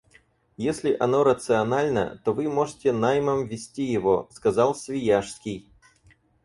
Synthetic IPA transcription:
jesʲlʲɪʔɐno̞ɾət̪sɨɐnalʲnə̰t̪o̞vɨmo̞ʐɨtʲɪnajməmvʲɪsʲtʲijɪvo̞skɐzalˠsʲvʲɪjaʂskʲɪj

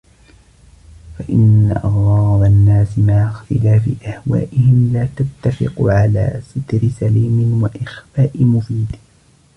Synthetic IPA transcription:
faʔɪnːa̰ʔɑɣɾˤɑːdˤanːaːsɪmaʕaxt̪ɪlaːfɪ̰ʔahwa̰ːʔɪhɪmlaːt̪at̪ːafɪ̰qʕala̰ːsɪt̪ɾɪsaliːmɪwaʔɪxfaːʔɪmʊfiːd̪

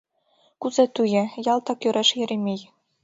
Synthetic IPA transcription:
kuzɑt̪ujɘ̆jɑlˠt̪ɑkjuɾɑʂjɘ̆ɾʲemʲej

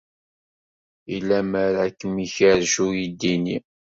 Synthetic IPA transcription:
ilːæməɾækːəmiçəɾʒujid̪ːini

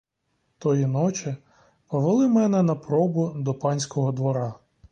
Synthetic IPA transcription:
t̪ɔjinɔt͡ʃɪ | pɔʋelˠɪmɛnɛnɐpɾɔbʊd̪ɔpɑnʲsʲkɔɦɔd̪ʋɔɾɑ

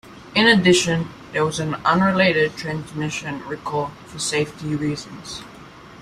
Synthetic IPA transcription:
ɪ̃nɨdɪʃɨ̃n | ðə˞wʌzɨ̃nʌ̃nɹɪleɪɾɨd̚tʰɹ̥æ̃nzmɪʃɨ̃nɹikʰɔlfə˞seɪftiɹizə̃nz̥

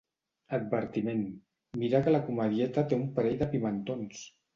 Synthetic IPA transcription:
əd̪̚bəɾt̪imen | miɾakəlakuməðjɛt̪at̪eumpəɾɛʎðəpimənt̪ons

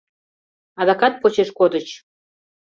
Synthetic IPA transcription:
ɑd̪ɑkɑt̪̚pot͡ɕeʃkod̪ət͡ɕ

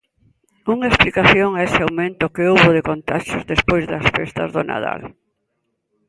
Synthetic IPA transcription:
uŋaesplikaθjoŋaesɪawmẽnt̪ʊkɪowβʊðekont̪aʃʊzðespojzðɐsfest̪ɐ̰zðʊna̰ða̰l

